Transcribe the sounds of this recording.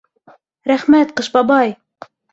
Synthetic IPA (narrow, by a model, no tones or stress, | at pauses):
ɾæχmæt̪̚qɤ̆ʃbɑbɑj